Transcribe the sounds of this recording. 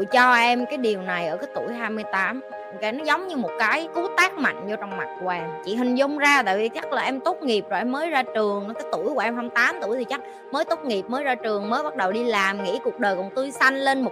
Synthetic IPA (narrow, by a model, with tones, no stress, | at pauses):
t͡ɕɔ˧ʔɛ˧mkaː˨˦jɗi˨˩əwna˨˩jʔəː˧˩kaː˨˦jt̪u˧˩əjɦaː˧jmɨ˧əjt̪aː˨˦m˧˩ | kaː˨˦jnɔ˨˦zə˨˦wŋ͡mɲɨ˧mo˨˩t̚kaː˨˦jku˨˦t̪aː˦˥k̚ma̰˧˨jŋ̟zɔ˧t͡ɕɔ˧wŋ͡mma˨˩t̚kwaː˨˩ŋt͡ɕḭ˧˩ɦï˨˩ŋ̟zʊ˧ŋ͡mzaː˧t̪a̰ː˧˨vi˨˩t͡ɕa˦˥k̚laː˨˩ʔɛ˧mt̪o˦˥k͡p̚ŋi˨˩p̚zo˨˩jʔɛ˧mːəː˨˦jzaː˧t͡ɕɨ˨˩əŋ˨˦kaː˨˦jt̪u˧˩əjkwʔɛ˧mɦa˧mt̪aː˨˦mt̪u˧˩jt̪ʰi˨˩t͡ɕa˦˥k̚ | məː˨˦jt̪o˦˥t̚ŋi˨˩p̚məː˨˦jzaː˧t͡ɕɨ˨˩əŋməː˨˦jɓa˦˥t̚ɗə˨˩wɗi˧laː˨˩mŋḭ˧˥ku˨˩ək̚ɗəː˨˩jkʊ̰˨˩ŋt̪u˧jsa˧jŋ̟le˧nmo˨˩